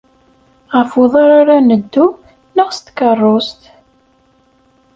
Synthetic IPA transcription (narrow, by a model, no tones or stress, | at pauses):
ʁəfʊðˤaɾaɾanəd̪ːu | nəʁst̪kərˤːost̪